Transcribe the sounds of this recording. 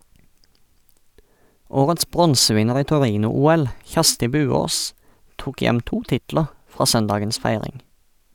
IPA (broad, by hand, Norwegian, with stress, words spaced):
ˈoːʁəts ˈbʁɔnsəˌʋɪnəʁ ˈiː tɔˈʁiːnʊˌuːɛl ˈçæʁstɪ ˈbʉːˌoːs ˈtuːk ˈjɛm ˈtuː ˈtɪtləʁ ˈfʁɑː ˈsœnˌdɑːɡəns ˈfæɪʁɪŋ